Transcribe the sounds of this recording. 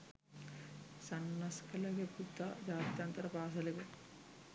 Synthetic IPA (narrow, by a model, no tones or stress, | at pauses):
sɐnːɐskɐlɐɡeput̪ːɐd͡ʒaːt̪jɐnt̪ɐɾɐpaːsɐliɡe